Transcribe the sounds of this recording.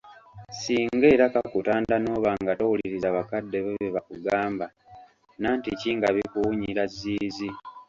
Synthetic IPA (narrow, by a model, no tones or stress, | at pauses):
siːŋɡe̞ːɾakakutaːndano̞ːβaːŋɡatowuliɾizaβakadːe̞βeβeβakuɡaːmba | naːnticiːŋɡaβikuwuɲiɾaziːzi